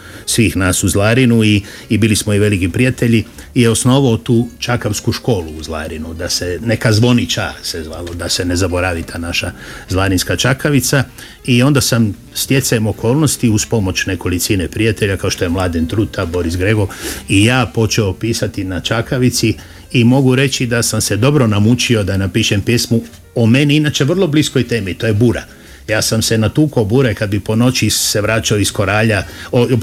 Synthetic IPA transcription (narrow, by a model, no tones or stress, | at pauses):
sʋiːxnaːsuzlˠaɾinuiː | biːlismo̞iʋe̞likipɾiat̪eʎiː | jeo̞sno̞ʋaot̪uːt͡ʃakaʋskuʃko̞ːluːzlˠa̰ːɾinud̪asene̞kazʋo̞nit͡ʃasezalod̪ase̞ne̞zabo̞ɾaʋit̪ʰaːnaʃazlˠaɾinskat͡ʃakaʋit̪sa | io̞nd̪asam | st̪je̞t̪saemo̞ko̞ːlˠno̞st̪iuspo̞mo̞t͡ʃneko̞lit̪sinepɾiat̪eʎakaoʃt̪o̞jemlˠaːd̪int̪ɾuːt̪abo̞ɾisɡɾeɡo̞ʋijaːpo̞t͡ʃeo̞piːsat̪inat͡ʃakaʋit̪siː | mo̞ɡuɾe̞t͡ʃid̪asamse̞d̪o̞bɾo̞namut͡ʃio̞d̪anapiːʃempjesmu | ome̞niinat͡ʃe̞ʋr̩lo̞blisko̞jt̪e̞ːmit̪o̞jebuɾa̰ | jaːsamse̞nat̪uːkobuːɾakad̪bipo̞no̞t͡ʃise̞ʋɾaːt͡ʃaoisko̞ɾaːʎao